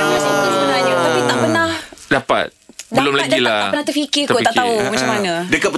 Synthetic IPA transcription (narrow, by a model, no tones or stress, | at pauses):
masat̪asəbənaɲat̪apit̪aʔpənãhdapa̰t̪̚dbaəlʊmlaɡdailaaaənãht̪əfikikt̪uʔ̪aʔ̪aumãt͡ʃamanãdəkapə